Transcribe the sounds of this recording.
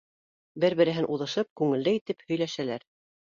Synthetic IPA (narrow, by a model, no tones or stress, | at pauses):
bɘɾβɘ̆ɾɘ̆ɦɘnʔuðɤ̆ʃɤp̚kʉŋɘ̆ld̪ɘit̪ɘphɵ̆jlæʃælæɾ